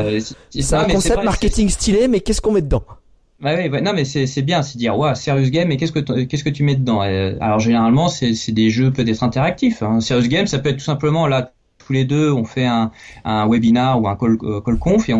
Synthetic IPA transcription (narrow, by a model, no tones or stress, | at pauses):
ssnɔ̃mɛkɔ̃sɛmaʁket̪iŋst̪ʰilemɛkʲɛskɔ̃mɛd̪əd̪ɑ̃ | bawivwɛnɔ̃mɛsɛsɛbjɛ̃sɛd̪iʁwasɛʁjys̬ɡʲɛmek̬ʲɛskət̪kʲɛskət̪̬ymɛd̪əd̪ɑ̃ɛ̰a̰lɔʁʒeneʁalmɑ̃sɛsɛd̪eʒøpøt̪ɛt̪χɛ̃t̪eʁak̚t̪ifɛ̃sɛʁjysɡɛmsapøɛt̪̚t̪usɛ̃pləmɑ̃la | t̪ʰuled̪øɔ̃fɛɛ̃ɛ̃wɛbinaʁuɛ̃kɔlkɔlkɔ̃feɔ̃